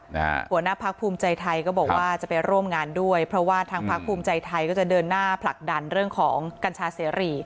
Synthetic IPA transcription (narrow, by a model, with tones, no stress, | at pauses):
a̰hu˨˩˦ənaː˥˩pʰa˦˥k̚pʰuː˧mt͡ɕa˧jt̪ʰa˧jkɔː˥˩bɔː˨˩k̚wʔaː˥˩t͡ɕa˨˩pa˧jɾu˥˩əmŋaː˧ndu˥˩əjpʰɾɔ˦˥waː˥˩t̪ʰaː˧ŋpʰa˦˥k̚pʰuː˧mt͡ɕa˧jt̪ʰa˧jkɔː˥˩t͡ɕa˨˩dɤː˧nːaː˥˩pʰla˨˩k̚da˧nɾɯ˥˩əŋkʰɔː˩˦ŋka˧nt͡ɕʰaː˦˥seː˩˦ɾiː˨˧˩